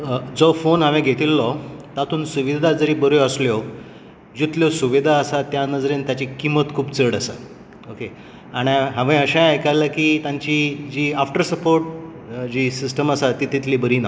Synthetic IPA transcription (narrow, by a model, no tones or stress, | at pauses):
d͡zɔfonɦãʋẽɡʱet̪iːlːɔt̪at̪ʰuːnsuʋid̪ʱad͡zəɾiːbəɾjɔəsljɔ | d͡ʑit̪ljɔsuʋid̪ʱaəsat̪janəd͡zɾent̪jat͡ɕikimət̪kʰuːbt͡səɽəsa̰ | oke | aɽ̃iɦãʋẽəɕãajkalakiːt̪jãɲt͡ɕid͡ʑiːafʈəɾsəpoɾʈ̚d͡ʑiːsisʈəməsat̪it̪it̪ʰliːbəɾiːna